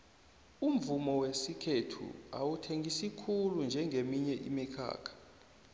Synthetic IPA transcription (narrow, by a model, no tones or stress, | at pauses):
um̩vumɔwesikʰetʰṵa̰wutʰeŋɡʱisikʰulund͡ʒʱɛŋɡʱemiɲɛʔimikʰa̰ːkʰḁ